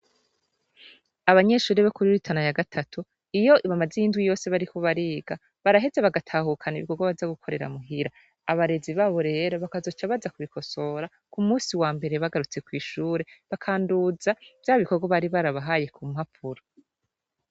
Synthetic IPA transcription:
aβaɲe̞ʃuːɾeβokuɾiɾitʰanajaɡatʰatʰu | ijo̞ʔiβamazejiːndwijo̞ːse̞βaɾikoβaɾiːɡa | βaɾaɦe̞zeβaɡatʰaːhukʰanaiβḭko̞ɡwaβazaɡukʰo̞ɾe̞̰ɾa̰muɦiɾaː | βaɾe̞ziβaːβo̞ɾe̞ːɾo̞βakazo̞t͡ʃaβazakuβikʰo̞so̞ɾa | kumuːsiwaːmbe̞ɾe̞βaɡaɾut͡se̞kwiːʃuːɾe̞βakʰaːnduzavjaːβiko̞ɡwaβaɾiβaɾaβaɦaːje̞kʰumhapʰuɾo

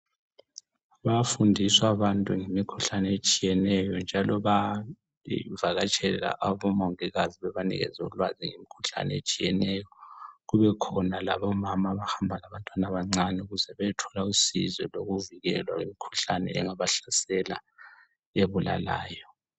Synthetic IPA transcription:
βafundʱiswaβantʼuŋemikʰuɬanɛet͡ʃʼijɛnɛjɔnd͡ʒʱalɔβa | vaɣat͡ʃʼɛla̰ʔaβɔmoŋiɣaziβɛβanḭɣɛ̰zɛuulwaziŋemikʰuɬa̰nɛḛt͡ʃʼijɛnɛjɔɣuβɛkʰɔnalaβɔmamaβahambʱalaβantʼwanaβaŋ͡ǀanɛuɣuzɛβɛtʰɔlausḭzwɛloɣuviɣɛlwaɣemikʰu̥ɬanɛ̰ɛ̰ŋaβaɬasɛla̰ | eβula̰la̰ːjɔ

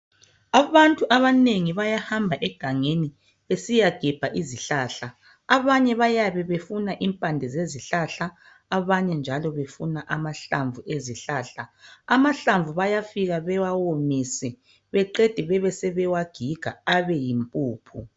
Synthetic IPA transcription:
aβantʼuʔaβaneŋiβajahambʱaʔɛɡ̥ʱaŋeni | βesijaɡ̥ʱɛb̥ʱaʔiziɬaːɬa | aβaɲɛβajaβɛβefunaʔimpʼandʱɛzeziɬaɬa | aβaɲɛnd͡ʒʱalɔβefunaʔamaɬaɱvueziɬaːɬaamaɬaɱvuβajafiɣaβɛwawomisɛ | βɛǃed̥ʱɛβɛβɛsɛβɛwaɡ̥ʱiɡ̥ʱa̰aβɛjimpʼuːpʰṵ

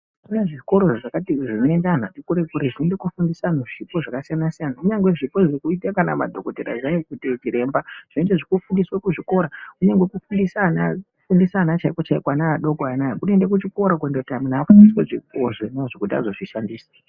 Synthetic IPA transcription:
kuneʐiko̞ɾo̞ʐaakatiʐinoendan̤atikuɾekuɾeʐinendekufundisanoʐipo̞ʐakasijanasijanauɲaŋɡwe̞ʐipoʐekuitakana̰ma̰dʱokoteɾa̰ʐajokutitiɾe̞mbaʐ̥inendeʐikufundiswakuʐiko̞ɾakuɲeŋɡwekufundisanaufundisanat͡ʃaikot͡ʃaikwanaːɗo̞koanajakunendekut͡ʃiko̞ɾak̬wendeutaminaːfundisweʐikoʐenaʐokutia̰zo̞ʐiʃandiːsḁ

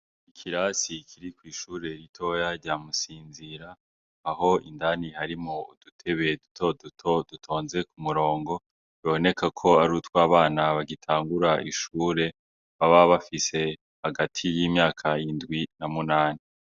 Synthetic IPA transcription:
ikʰiɾasikʰiɾikwiːʃuːɾe̞ɾitʰo̞jaɾɟamusiːnziɾaː | ho̞ḭndanihaɾimoṵdutʰe̞βedutʰodutʰodutʰo̞ːnze̞kumuɾo̞ːŋɡo̞ | βio̞ne̞kʰakʰo̞aɾutkwaːβaːnaβaɡitʰaːŋɡuɾaʔiʃuːɾe̞ | βaβaβafise̞ | haɡatʰijiːmɲaːkʰajindɡwinamunaːni

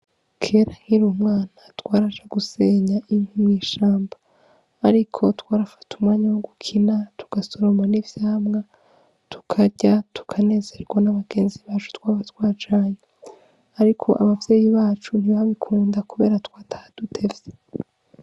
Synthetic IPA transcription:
kʰe̞ɾaŋ̥iɾumŋaːnatwaːɾat͡ʃaɡuse̞ːɲaʔiŋhumŋiːʃaːmbaː | ɾikʰo̞twaːɾafḁtumŋaːɲawoɡukʰinatu̥ɡ̥aso̞ɾomanivjaːmŋa | tu̥kʰaɟatu̥kʰane̞ːze̞ɾɡwanaβaɡe̞ːnziβaːt͡ʃu̥twaːβatwaːt͡ʃaɲa | aɾikʰo̞ʔa̰βavje̞ːjiβaːt͡ʃun̥iβaβikʰuːndakuβe̞̰ːɾatwaːtʰḁd̥utʰe̞vje̥

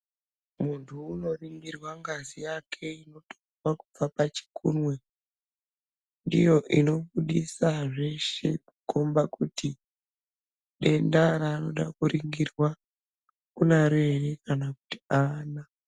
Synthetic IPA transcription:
muntʰuːno̞riŋɡirwaŋɡazijakʰe̞ino̞towakub͡vapat͡ʃi̥kʰunwe | ndijo̞ʔino̞ɓuɗisaʐe̞ʃe̞̰kukombakuti | ɗe̞ndaɾaːno̞ɗakuɾiŋɡirwa | kunaɾerekanaku̥ti̥aːna

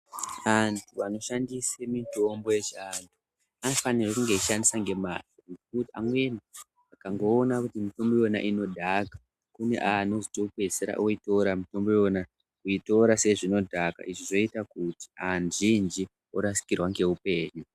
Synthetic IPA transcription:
ʋantʰuano̞ʃandisemito̞mbo̞jeʐiantʰu | anfanirekuŋɡeiʃandisaŋɡe̞ma̰toŋɡekutia̰mwe̞ni | akaŋɡo̞ːnakutimito̞mbo̞jona̰ʔino̞dʱaka | kune̞̰ʔano̞zito̞pe̞seɾa̰ʔoito̞ɾamito̞mbo̞jo̞na | kuito̞ɾase̞ʐino̞dʱaka̰ʔiʐiʐo̞itakuti̥anʐind͡ʒi | oɾasi̥kirwaŋɡe̞upe̞ːɲu

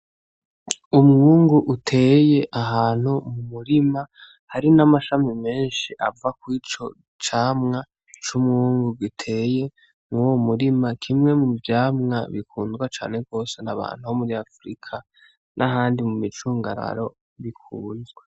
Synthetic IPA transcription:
umŋuːŋɡuʔutʰe̞je̞ʔaɦaːn̥humumuɾima | haɾinamaʃamime̞ːnʃiʔavakwiːt͡ʃo̞ | t͡ʃaːmŋa | t͡ʃumŋuːŋɡuɡitʰe̞je̞ | muwomuɾimakʰimŋe̞muvjaːmŋa̰βikʰuːndɡwat͡ʃa̰ːne̞ɡo̞ːse̞naβa̰ːn̥uho̞muɾiafɾikʰa | nʔaɦaːndimumit͡ʃuːŋɡaɾa̰ɾo̞ | βikʰuːndɡwa

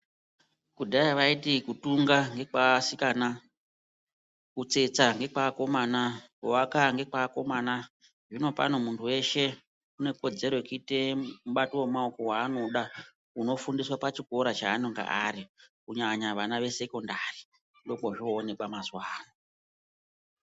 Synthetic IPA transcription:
kudʱaiʋaitikutuŋɡaŋɡe̞kasikaːna | kut͡se̞t͡saŋɡe̞k͡pako̞mana | owakaŋɡe̞kako̞maːna | ʐino̞pa̰no̞muntʰuwe̞ʃe̞ | une̞ko̞d͡ze̞ɾo̞ikite̞muɓatiwemaoko̞waːno̞ɗa | uno̞fundiswapat͡ʃiko̞ɾat͡ʃaːnoŋɡa̰ʔaɾikuɲaɲaʋanaʋe̞se̞ko̞ndari | ndo̞koʐoːne̞kamazwaːno

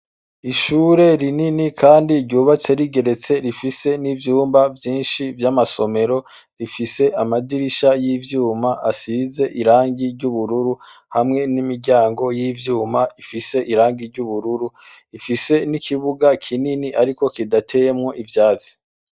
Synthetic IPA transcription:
iʃuːɾe̞ɾininikʰaːndiɾɟuːβat͡se̞ɾiɡe̞ɾe̞t͡se̞ɾifise̞nivjuːmbavjiːnʃivjamaso̞me̞ɾo̞ | ɾifise̞ʔamadiɾiʃajivjuːmaʔasize̞ʔiɾaːŋɡiɾɟuβuɾuɾu | hamŋe̞nimiɾɟaːŋɡo̞jiːvjuːmaifise̞ʔiɾaːŋɡiɾɟuβuɾuɾu | ifise̞nikʰiβuɡakʰininiʔaɾiko̞kidatʰe̞jemŋo̞ʔivjaːzi̥

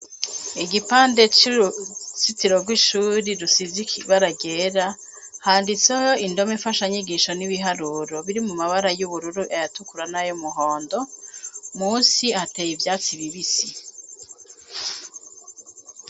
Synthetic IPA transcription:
iɡipaːnde̞t͡ʃ | sitiɾo̞ɡwiʃuːɾiɾusizikʰiβaɾaɡe̞ːɾa | haːndit͡seho̞ʔindo̞meɱfaʃaɲiɡiʃoniβiɦaɾuɾoβiɾimumaβaɾajuβuɾuɾuʔajatukuɾanajomuɦo̞ːndo̞ | muːsiatejivjaːt͡siβiβisi

